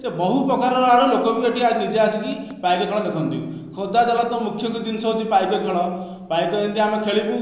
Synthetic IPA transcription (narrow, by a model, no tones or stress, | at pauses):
sebɔɦupɾɔkaɾɔɾɔaɽɔlokɔbiɔʈiabid͡ʒeasɔkipajkɔkʰɔɭ̃ɔd̪ekʰɔnt̪ḭ̃kʰɔd̪ad͡ʒalat̪ɔmukʰjɔŋkud̪inɔsɔwt͡ʃʰipajkɔkʰɔɭ̃ɔ | pajkɔent̪iamekʰeɭipu